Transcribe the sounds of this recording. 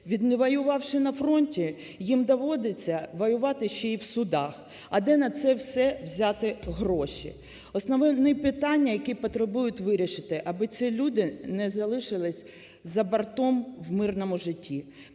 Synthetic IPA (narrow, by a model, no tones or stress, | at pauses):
ʋʲid̪nɛʋɐjʊʋɑwʃɪnɐfɾɔnʲtʲi | jimd̪ɐʋɔd̪ɪt͡sʲːɐʋɔjʊʋɑt̪ɪʃt͡ʃɛiwsʊd̪ɑx | ɐd̪ɛnɐt̪sɛwsɛwzʲɑt̪ɪɦrɔʃḭ | ɔsnɔʋɛʋnɪpɪt̪ɑnʲːɐjɐkʲipɔt̪ɾebujʊtʲʋɪɾʲiʃɪt̪ɪʔɐbɪt̪sʲilʲud̪ɪnɛzɐlˠɪʃɪlˠɪsʲ | zɐbɐrt̪ɔmwmɪrnɔmʊʒɪtʲʰːi